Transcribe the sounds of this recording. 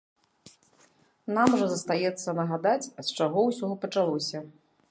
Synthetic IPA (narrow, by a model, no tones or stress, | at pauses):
namʐɐzɐst̪ajɛt̪sːɐnɐɣad̪at͡sʲɐt̪t͡ʂaɣɔwsʲɔɔpɐt͡ʂalˠɔsʲɐ